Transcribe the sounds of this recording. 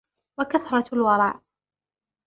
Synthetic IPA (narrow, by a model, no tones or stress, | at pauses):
wakaθɾˤɑlwɑɾˤɑːʕ